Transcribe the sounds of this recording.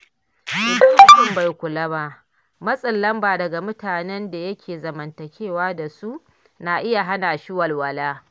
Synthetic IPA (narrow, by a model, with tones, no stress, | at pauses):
ɪ˨da˦ʃɪ˨mba˨jkʷʊ˨lɐ˦ba˦ʔ | mɐ˦sʼɐ˨lːɐ˦mbaː˨dɐ˨ɡa˨mʊ˦taː˨nɛ˦nda˨jɐ˦kʲʰeː˨zɐ˨mɐ˨ntɐ˨kʲeː˦˨waː˦da˨su˦ʔ | naː˨ʔɪ˦ja˨ɦa˦naː˨ʃɪ˦wɐ˨lwɐ˨laː˦